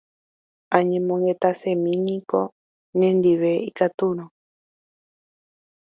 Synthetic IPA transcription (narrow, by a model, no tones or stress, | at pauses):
ãɲẽmõŋɡet̪asemĩnĩko | nẽnd̪iβeikat̪uɾ̃õ